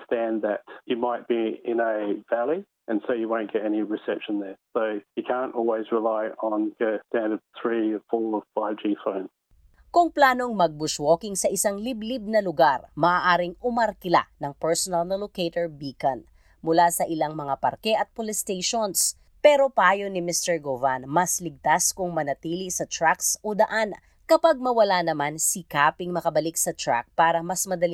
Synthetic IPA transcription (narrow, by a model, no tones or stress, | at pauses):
stæ̃nðɨt͡ʃjɨmaɪt̚b̥iɪ̃nəvælˠi | ʔɨ̃nsoʊjɨwõʊ̃nɡ̥ɛɾɛniɹɨsɛpʃə̃nðə˞soʊjɨkʰæ̃nʔɔlˠwizɹɪlaɪə̃nɡəstæ̃ndəp̚θɹifɔɹəfaɪvd͡ʒifõʊ̃n | kʊŋplaːno̞ŋmɐɡ̚bʊswoːkɪŋsɐʔɪsaŋliblib̚nɐlʊɡaɾmɐʔaːʔaːɾɪŋʊmɐɾkɪla̰nɐŋpɛɹsonɐlnɐloket̪oɹbiːkɐn | mʊlasɐʔɪlaŋmɐŋapɐ̰ɾkɛʔɐt̪̚polɪst̪ejʃons | pɛːɾo̞paːjonɪmɪst̪ɛɹɡovanmɐslɪɡ̚t̪askʊŋmɐnɐt̪iːlisɐt̪ɹaksʔod̪ɐʔan | kɐpaɡ̚mɐwɐlanɐmansikaːpɪŋmɐkɐbɐlik̚sɐt̪ɹa̰k̚paːɾɐmɐsmɐd̪ɐli